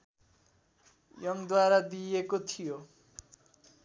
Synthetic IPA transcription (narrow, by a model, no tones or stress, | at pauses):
jʌŋd̪waɾad̪ijekot̪ʰijo